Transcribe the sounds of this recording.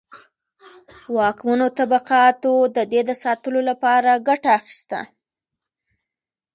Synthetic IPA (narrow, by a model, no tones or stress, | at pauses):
wɑkmanot̪abaqɑt̪od̪əd̪ed̪əsɑt̪əlolapɑɾaɡaʈaːxi̥st̪a̰